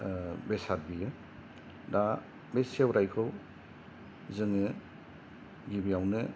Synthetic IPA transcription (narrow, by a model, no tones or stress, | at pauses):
besat̚bijɯ | da | besiawɾajkʰɯw | zɯŋɯ | ɡibijawnɯ